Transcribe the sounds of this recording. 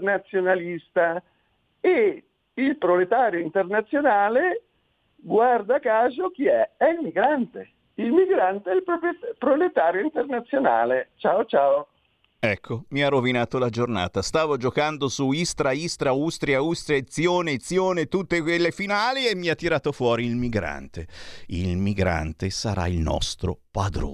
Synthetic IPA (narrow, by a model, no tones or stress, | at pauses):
nat̪sːjonalist̪a | e | ilpɾolet̪aːɾjoint̪ernat̪sːjonaːle | ɡward̪akaːzok̟iɛɛilmiɡɾant̪e | ilmiɡɾant̪eɛilpɾopɾolet̪aːɾjoint̪ernat̪sːjona̰ːlet͡ʃaːot͡ʃaːo | ɛkʰːomiarːovinaːt̪olad͡ʒorna̰ːt̪ast̪aːvod͡ʒokand̪osuist̪ɾaist̪ɾaust̪ɾjaust̪ɾijaet̪sːjoːnet̪sːjoːnet̪ut̪ːekwelːefinaːliemːiat̪ːiɾaːt̪ofwɔːɾiːlmiɡɾa̰nt̪eilmiɡɾa̰nt̪esaɾa̰ilnɔ̰st̪ɾo̰pad̪ɾo̰